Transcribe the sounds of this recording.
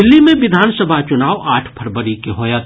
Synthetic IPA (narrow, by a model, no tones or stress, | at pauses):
ɪlːimẽʋɪd̪ʱaːnsəbʱat͡ʃʊnaːʋaːʈʰpʰɐɾbəɾikeɦoːjat̪